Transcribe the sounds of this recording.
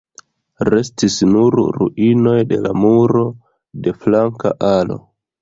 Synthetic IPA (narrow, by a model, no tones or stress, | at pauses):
ɾe̞stisnuɾɾṵʔino̞jde̞̰la̰muɾo̞ | de̞flaŋka̰ʔalo̞̰